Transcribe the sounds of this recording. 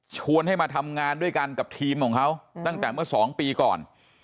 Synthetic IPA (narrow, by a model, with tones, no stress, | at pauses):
t͡ɕʰu˧ənha˥˩jmaː˧t̪ʰa˧mŋaː˧ndu˥˩əjka˧nka˨˩p̚t̪ʰiː˧mkʰɔː˩˦ŋkʰa˦˥wt̪a˥˩ŋt̪ɛː˨˩mɯ˥˩ɐsɔː˩˦ŋpiː˧kɔ̰ː˨˩n